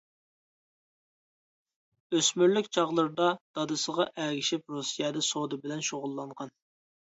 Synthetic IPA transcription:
øsmyɾlykʲt͡ʃʰɑʁlˠəɾd̪ɑd̪̥ɑd̪ɨsəʁɑʔæɡʲiʃɪp̚ɾosijɛd̪ɨsod̪ɨbɪlɛnʃoʁʊlˠːɑɴʁɑn

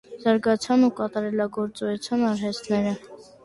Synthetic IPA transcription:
z̥ɑɾɡɑt͡sʰɑnukɑt̪ɑɾɛlɑɡɔɾt͡sɔɛt͡sʰjɑnɑɾɦɛst̪nɛɾə

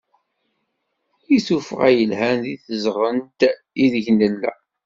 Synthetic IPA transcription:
iθufəʁæjəlhænðiθəzʁənt̪ | iðʝnəlːæ̰

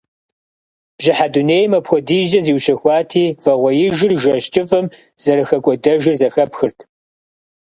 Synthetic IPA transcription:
b̥ʑɪħaduneːjmɐpxʷɔdiːʒɐziːwʃɐxʷɑːtʰiːvɐʁʷɔjɪʒɪrʒɐʃt͡ʃʼɨfʼɐm | z̥ɐɾɨxɐkʷʼɔdɐʒɪrzɐxɐpxɨrtʰ

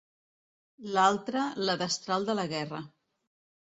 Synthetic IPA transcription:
lalˠt̪ɾələðəst̪ɾalˠd̪ələɣɛrə

